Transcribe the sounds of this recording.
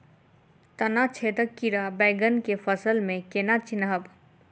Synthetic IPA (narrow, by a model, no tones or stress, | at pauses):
t̪ənat͡ʃʰet̪əkːiɾabɛɪɡənkepʰəsəlmẽkenat͡ʃinɦəb